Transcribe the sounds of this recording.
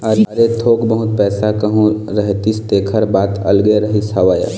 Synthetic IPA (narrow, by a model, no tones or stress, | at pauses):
əɾɐɾet̪ʰoːkbəɦʊt̪pɛːsakəɦũɾəɦt̪ist̪eːkʰəɾbaːt̪ɐ̰lɡeɾəɦisɐʋaːja̰